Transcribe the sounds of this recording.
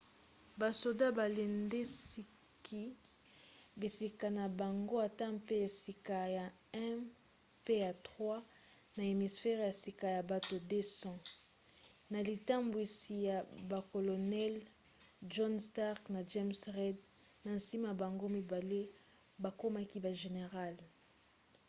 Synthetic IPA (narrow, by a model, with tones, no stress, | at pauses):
ba˨so˨da˦ba˨le˨nde˦si˦ | kʰi˦ | bi˨si˨ka˨na˨ba˨ŋɡo˦a˨ta˦pe˦ja˨si˨ka˨ja˨ | ɛ̃˦ | pe˦ja˨tʁwa˦ | na˨e˨mi˨sfɛ˦ʁja˨si˨ka˨ja˨ba˨to˨de˦sɔ̃˦ | na˨li˨ta˦mbwi˨si˨ja˨ba˨ko˨lo˨nɛ˦l | ʒɔ˦nsta˦ʁkna˨ʒɛ˦msʁɛ˦d | na˨n̩˨si˦ma˨ba˨ŋɡo˦mi˨ba˨le˦ | ba˨ko˦ma˦ki˦ba˨ʒe˨ne˨ʁa˦l